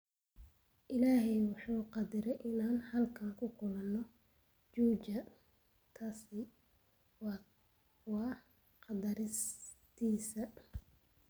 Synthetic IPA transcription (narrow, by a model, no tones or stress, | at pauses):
ʔɪlaːɦɛjwɑħuːqɑd̪ɪɾɛjʔɪnaːnhɐlkʰɐŋkʰʊkʰʊlɐnːɔ | t͡ʃuːt͡ʃɐ | t̪ʰaːsɪ | w | wɑː | qɑd̪ɐɾɪs | t̪ʰiːsɐ